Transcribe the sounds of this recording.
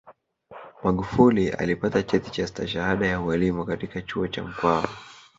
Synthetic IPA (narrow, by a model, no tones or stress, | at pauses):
maɠufuliʔa̰lipatat͡ʃɛtit͡ʃastaʃahaɗajaualimukatikat͡ʃuɔt͡ʃa̰m̩kwaɔ